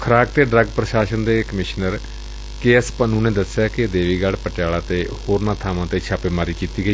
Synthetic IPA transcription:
kʰəɾaːk̚t̪eːɖɾəɡpɾəʃaːʃənd̪eːkəmɪʃnəɾ | keːəspənũːnẽːd̪əsːɪjaːkɪd̪eːʋiːɡaɽpəʈjaːlaːt̪eːhoːɾnãːt̪ʰaːmãːt̪eːt͡ʃʰaːpeːmaːɾiːkiːt̪iːɡəiː

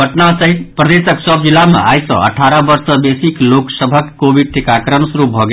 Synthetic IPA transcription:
əʈnasʌɦit̪pɾəd̪esəksʌb̚d͡zilːamḛa̰jsʌ̰̃ə̰ʈʰaɾəbʌɾsəbesikloksəbʱəkːobiɖ̚ʈikakɾənsuɾubʱɔɡe

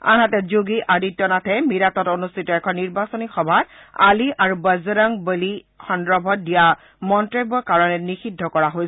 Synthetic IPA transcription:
a̰natɛzuɡiʔaditːɔnatʰɛmiɹatɔtonustʰitɔɛkʰɔnːiɹbasonixɔbʱat̚a̰liʔaɹubazɔɹaŋbeli | xɔndɹɔbʱɔt̚dija | mɔntɹɔjbɔkaɹɔnɛnixidʱːɔkɔɹaɦojs

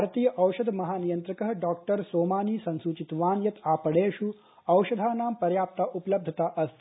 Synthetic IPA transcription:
bʱaɾt̪iːjəʔɐwʃɐd̪ʱmɐɦaːnijɐnt̪ɾɐkəɦɖɔːk̚ʈəɾsoːmaːniːsɐ̃nsut͡ʃit̪ʋaːnjɐt̪aːpəɽeːʃu | ɐwʃɐd̪ʱaːnaːmpɐɾjaːp̚t̪aʔupələb̚d̪ʱɐt̪aʔɐst̪ʰ

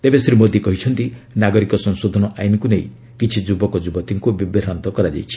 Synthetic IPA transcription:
t̪ebesɾimod̪ikɔɦit͡ʃʰɔnt̪inaɡɔɾikɔsɔŋsod̪ʱɔnɔʔajnikunej̃ | kit͡ʃʰid͡ʒubɔkɔd͡ʒubɔt̪iŋkubibeɾant̪ɔkɔɾad͡ʒa̰jt͡ʃʰi̥

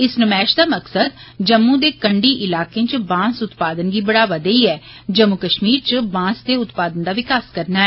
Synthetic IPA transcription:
ɪsnəmɛːʃd̪aːməksəd̪̚ | d͡ʒəmːũːd̪eːkəɳɖiːʔɪlaːkẽːt͡ʃəbãːsʊt̪paːd̪ənɡiːbəɽaːʋaːd̪eiːɛː | d͡ʒəmːukəʃmiːɾt͡ʃəbãːsd̪eːʊt̪paːd̪ənd̪aːʋɪkaːskəɾnaːɛː

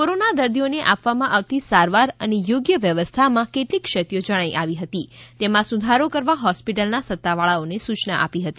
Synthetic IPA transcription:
koɾonad̪əɾd̪ʱijoneʔapʋamãʔaʋt̪isaɾʋaɾənejoɡjəʋjəʋəst̪ʰamãkeʈlikʃət̪jod͡ʒəɽ̃ajʔaʋiɦət̪it̪emãsud̪ʱaɾokəɾʋaɦɔspiʈəlnasət̪ːaʋaɭaonesut͡ʃnaʔa̰piɦət̪i

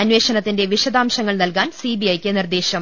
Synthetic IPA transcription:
ɐnʋe̞ːɕɐnɐt̪ːinde̞ʋiɕɐd̪aːmɕɐŋːɐɭnɐlkaːnsibiɐjkʲːɨnird̪eːɕɐm

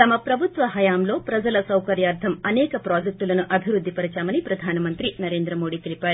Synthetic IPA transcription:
t̪ɐmɐpɾɐbʱut̪ʋɐɦɐjaːmlo̞ːpɾɐd͡ʒɐlɐsɐwkɐɾjaːɾt̪ʰɐmɐnɛːkɐpɾaːd͡ʒek̚ʈulɐnuʔɐbʱiʋɾud̪ʱːipɐɾit͡ʃaːmɐnipɾɐd̪ʱaːnɐmɐnt̪ɾinɐɾe̞ːnd̪ɾɐmo̞ːɽiːt̪elipaːɾu

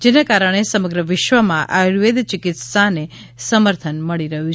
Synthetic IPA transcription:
d͡ʒenakaɾəɽ̃esəməɡɾəʋɪʃʋəmãʔaɾʋed̪t͡ʃɪkɪt̪sane | səməɾt̪ʰənməɭiɾəɦũ

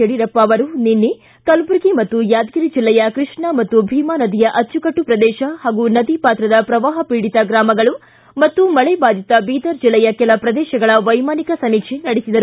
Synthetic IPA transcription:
eɽiɾɐpːaːʋɐɾuninːi | kɐlbuɾɡimɐt̪ːujaːd̪ɡiɾid͡ʒilːɐjɐkɾɨʂɳɐmɐt̪ːubʱiːmaːnɐd̪ijɐʔɐt͡ʃːukɐʈːupɾɐd̪ɛːʃɐhaːɡunɐd̪ipaːt̪ɾɐd̪ɐpɾɐʋaːɦɐpiːɽit̪ɐɡɾaːmɐɡɐɭu | mɐt̪ːumɐɭɛbaːd̪it̪ɐbiːd̪ɐɾd͡ʒilːɐjɐkɛlɐpɾɐd̪ɛːʃɐɡɐɭɐʋɐjmaːnikɐsɐnikʂʰenɐɽisid̪ɐɾu

